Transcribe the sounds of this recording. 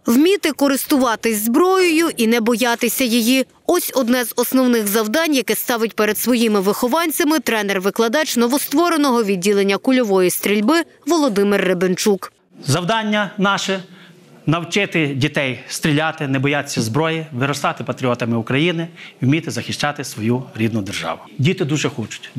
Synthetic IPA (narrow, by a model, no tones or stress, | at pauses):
wmʲit̪ɪkɔɾɪst̪ʊʋɑt̪ɪzʲzbɾɔjɔjʊʔinɛbɔjɑt̪ɪsʲɐjiji | ɔsʲɔd̪nɛzɔsnɔwnɪxzɐwd̪ɑnʲjɐkɛst̪ɑʋɪt̚ʲpeɾed̪sʋɔjimɪʋɪxɔʋɑnʲt͡sʲɐmɪt̪ɾɛnɛrʋɪklˠɐd̪ɑt͡ʃnɔʋɔst̪ʋɔɾenɔɦɔʋʲid̚ʲːilˠenʲːɐkʊlʲɔʋɔjist̪ɾʲilʲbɪ | ʋɔlˠɔd̪ɪmɪrːebɪnt͡ʃuk | zɐwd̪ɑnʲːɐnɑʃɛ | nɐwt͡ʃɪt̪ɪdʲit̪ɛjst̪ɾʲilʲat̪ɪnɛbɔjat̪sʲɐzbɾɔjiʋɪɾɔst̪ɑt̪ɪpɐt̪ɾʲiɔt̪ɐmɪukɾɐjinɪumʲit̪ɪzɐxɪʃt͡ʃɑt̪ɪsʋɔjuɾʲid̪nʊd̪erʒɑ̰ʋʊdʲit̪ɪd̪uʒɛxɔt͡ʃʊ̥tʲ